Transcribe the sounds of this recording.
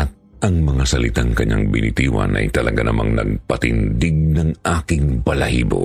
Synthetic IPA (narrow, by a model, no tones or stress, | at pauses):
ʔɐt̪̚ | ʔɐŋmɐŋasɐlɪt̪aŋkɐɲaŋbɪnɪt̪iːwɐ̰nʔɐ̰jt̪ɐlɐɡanɐmʔaŋnɐɡ̚pɐt̪ɪnd̪ɪɡ̚nɐŋʔaːkɪŋpɐlɐhiːbo